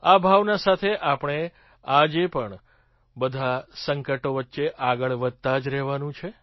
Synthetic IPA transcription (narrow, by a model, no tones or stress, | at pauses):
abʱaʋnasat̪ʰeʔapəɳ̃e | ad͡ʒepəɳ | bəd̪ʱasəŋkəʈoʋət̪ːʃeʔaɡəɭʋəd̪̚t̪ad͡ʒɾɛɦʋanũt͡ʃʰe